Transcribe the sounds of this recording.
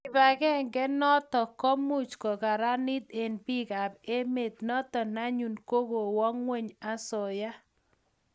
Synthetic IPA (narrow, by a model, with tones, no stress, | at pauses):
ɪ˨ba˨ɡɛ˦ŋɡɛ˦nɔ˦t̪ɔ˨kɔ˦mu˦t͡ʃkɔ˨ka˨ɾa˦nɪ˦t̪e˨nbi˦ka˨be˦me˨t̪nɔ˦t̪ɔ˨na˦ɲu˨nko˦ɡo˨wɔ˦ŋwe˦ɲa˦sɔ˨ja˦